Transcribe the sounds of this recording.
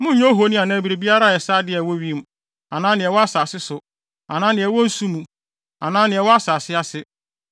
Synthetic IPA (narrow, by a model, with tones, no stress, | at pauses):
mʊ̃˦ɲõ˦ɦo˦nĩ˦a˨nã˦˨˦bi˨ɾe˨bi˦a˦ɾa˦˨ɛ˨saː˦dɪ˦ɛ˨wɔ˦ɥi˦m˦˨ | a˨nãː˦nɪ̃˨ɛ˨wɔ˦a˦saː˨sɪ˦sʊ˨ | ã˨nã˦nɪ̃˨ɛ˨wɔ̃˦n̩˦sũ˦mũ˨ | ã˨nãː˦nɪ̃˨ɛ˨wɔ˦a˦sa˨sɪ˦a˦sɪ˦